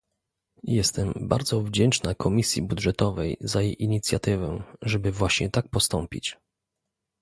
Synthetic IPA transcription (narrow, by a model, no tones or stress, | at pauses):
jɛst̪ɛmba̰ɾd̪zɔvd͡ʑɛnt͡ʂnakʰɔmʲisʲjḭbud̪ʐɛt̪ɔvɛjzajejʔiɲit̪sʲjat̪ɘvɛʐɛbɘvwaɕɲɛt̪ak̚pɔst̪ɔmpʲḭt͡ɕ